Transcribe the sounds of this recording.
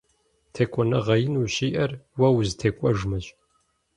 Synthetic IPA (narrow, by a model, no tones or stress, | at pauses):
tʰekʷʰʼɔnɐʁɐjɪnuːɕiːʔɐrwɐwztʰeːkʷʼɐʐmɐɕʼ